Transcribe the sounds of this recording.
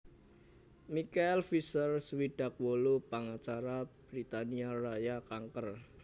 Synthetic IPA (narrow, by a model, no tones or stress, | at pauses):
mikaɛlfisərswiɖ̥ä̤k̚wolupaŋat͡ʃaɾab̥ɾit̪aniarajakaŋkər